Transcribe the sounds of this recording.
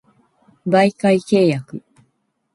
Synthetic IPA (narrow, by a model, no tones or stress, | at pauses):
baikaike̞ːjakɯ